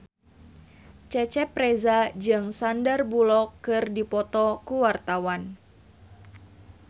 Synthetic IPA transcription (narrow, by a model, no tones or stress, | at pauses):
t͡ʃɛt͡ʃɛpɾezad͡ʒɨŋsandarbulɔkːɨrdipɔt̪ɔkuwart̪awan